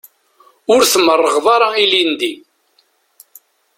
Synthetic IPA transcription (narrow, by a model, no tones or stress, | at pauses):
ʊɾθəmːərˤːəʁðˤɑɾˤɑilind̪i